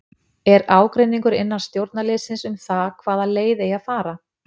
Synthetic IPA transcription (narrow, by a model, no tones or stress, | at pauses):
ɛɾaːwkɾejnːiŋkʏɾɪnːanst̪jowɾt̪̚nalɪːsɪnsʏmθakʰvaːðaleːjðɪjaðfaːɾa